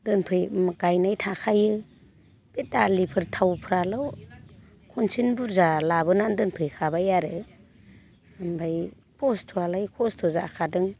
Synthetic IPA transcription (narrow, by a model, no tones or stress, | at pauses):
dɯnpʰɯjmɡajnajtʰakʰajɯ | b̥etdalipʰɯɾtʰawpʰɯɾalɯw | kʰɔnsinbuɾzalabɯnandɯnpʰɯjkʰabajaɾɯ | mbʱaj | pʰɔstʰualajkʰɔstʰuza̰kʰadɯŋ